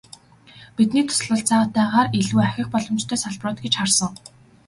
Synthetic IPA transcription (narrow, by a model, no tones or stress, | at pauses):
pit̪niːt̪ʰʊ̥sɮə̆ɬt͡saːt̪æːʁaːreɮuːæxʲɪ̆xpɔɮɞ̆mt͡ɕt̪ʰœːsaɮprʊːt̪ɡet͡ɕχarsə̆ŋ